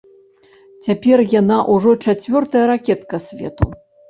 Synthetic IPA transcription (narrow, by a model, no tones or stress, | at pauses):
t͡sʲapʲɛrjanaʔuʐɔt͡ʂat͡sʲvʲɔrt̪ɐjɐɾakʲɛt̪kɐsʲvʲɛ̰t̪u